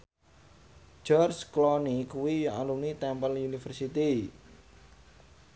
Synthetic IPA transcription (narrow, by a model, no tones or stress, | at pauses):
d͡ʒɔrsklɔnikuwijɔʔalunit̪ɛmpəlunifərsit̪i